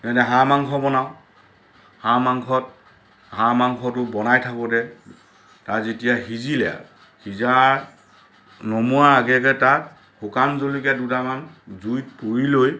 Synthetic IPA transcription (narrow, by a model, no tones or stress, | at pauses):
nɛdɛɦãmaŋkʰɔbɔnaʊ | hamaŋkʰɔt | hãmaŋkʰɔtʊbɔnajtʰakɔdɛ | tatzetijaɦizilɛja̰ | hizaɹ | nɔmuaɹaɡɛkɛtat | xukanzolikɛdutamanzujt̚puɹiloj